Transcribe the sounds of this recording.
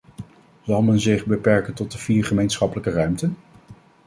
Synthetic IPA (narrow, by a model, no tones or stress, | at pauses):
zɑlˠmɛnzɪχbəpɛɹkəntɔt̚dəv̥iːɹχəmejnsχɑpələkərœɥmtən